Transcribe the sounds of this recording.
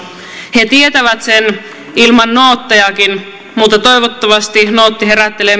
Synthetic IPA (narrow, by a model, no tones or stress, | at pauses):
he̞t̪iet̪æʋæt̪sen | ilmɑnːoːt̪ːɑjɑkin | mut̪ːɑt̪o̞jʋot̪ːɑʋɑst̪inoːt̪ːiɦe̞ɾæt̪ːe̞le